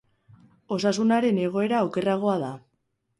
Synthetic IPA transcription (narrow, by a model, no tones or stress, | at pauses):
o̞sasunaɾe̞ne̞ɣ̞o̞e̞ɾaoke̞raɣ̞o̞aða